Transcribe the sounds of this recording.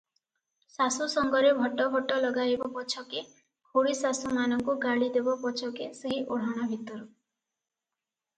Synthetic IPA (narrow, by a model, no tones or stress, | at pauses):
sasusɔŋɡɔɾebʱɔʈɔbʱɔʈɔlɔɡajbɔpɔt͡ʃʰɔke | kʰoɽisasumanɔŋkuɡaɭid̪ebɔpɔt͡ʃʰɔkeseɦiʔoɽ̤ɔɽ̃abʱit̪ɔɾɔ